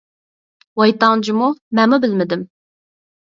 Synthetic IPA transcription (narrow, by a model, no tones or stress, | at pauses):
wɑjt̪ɑŋd͡ʒimumɛmubɪlmɪd̪ɪm